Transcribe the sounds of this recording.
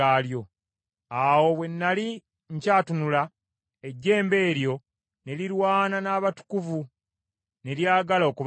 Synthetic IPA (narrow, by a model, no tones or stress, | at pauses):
aːljo̞ | awo̞βwe̞nːali | ɲcaːtunula | e̞ɟːe̞ːmbe̞ːɾjo̞ | ne̞liɾwaːnanaːβatu̥kuvu | ne̞ljaːɡalo̞ːkuβ